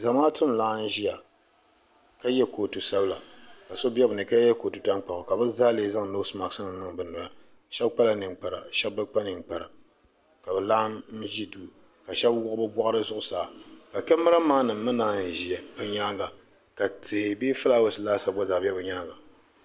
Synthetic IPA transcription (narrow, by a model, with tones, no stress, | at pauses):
za˨maː˦tʊ˦mlaː˨˦n̩˦ʒi˦ja˨ | ka˦jɛ˦ko˨tu˨sa˦bla˨ka˨so˦bɛ˦bɨ˨nɨ˨ka˦jɛ˦ko˨tu˨ta˦ŋk͡pa˨ʊ˨ka˨bɨ˦za˦leː˦za˦ŋ˨no˦sma˨sɨ˦nɨ˨nʊ˦ŋbɨ˨nɨ˨ba˨ | ʃɛ˦bk͡pa˦la˨nɨ˨ŋk͡pa˨ɾa˨ʃɛ˦b̚ːɨ˦k͡pa˦nɨ˨ŋk͡pa˨ɾa˨ | ka˨bɨ˨la˦m̩˦ʒi˦duː˦˨ | ka˨ʃɛ˦bwʊ˦ʔbɨ˦bʷɔ˦ʔa˦ɾɨ˦zʊ˦ʔʊ˨saː˨ka˨kɛ˦mɨ˦ɾa˦maː˦nɨ˨mːɨ˦naː˦n̩˦˨ʒi˨ɛ˨bɨ˨ɲa˦ŋɡa˨ | ka˨te˨biː˦fɨ˦la˦wo˨sɨ˨laː˦sa˨ba˦zaː˨bɛ˦bɨ˨ɲa˦ŋɡa˨